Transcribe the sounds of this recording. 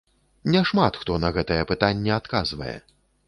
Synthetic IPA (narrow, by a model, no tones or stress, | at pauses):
nʲɛʂmat̪xt̪ɔnɐɣɛt̪ɐjɛpɨt̪anʲːɛat̪kazvɐ̰jɛ̰